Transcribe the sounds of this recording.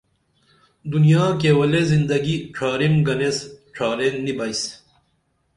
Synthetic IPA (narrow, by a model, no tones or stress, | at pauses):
d̪unijaːk̬ewɐlezind̪ɐɡiʈ͡ʂʰaːɾimɡɐnesʈ͡ʂʰaːɾeːnnːibɐis